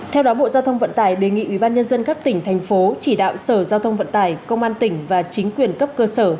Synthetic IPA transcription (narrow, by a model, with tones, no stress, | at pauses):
t̪ʰɛ˧wɗɔ˨˦ɓo̰˧˨zaː˧wt̪ʰə˧wŋ͡mvə̰˧˨nt̪aː˧˩jɗe˨˩ŋḭ˧˨wi˧˩ɓaː˧nɲə˧nzə˧nka˦˥p̚t̪ï˧˩ŋ̟t̪ʰɛ˨˩jŋ̟fo˨˦t͡ɕi˧˩ɗa̰ː˧˨wsəː˧˩zaː˧wt̪ʰə˧wŋ͡mvə̰˧˨nt̪aː˧˩jkə˧wŋ͡mʔaː˧nt̪ï˧˩ŋ̟vaː˨˩t͡ɕï˨˦ŋ̟kwi˨˩ənkə˦˥p̚kəː˧səː˧˩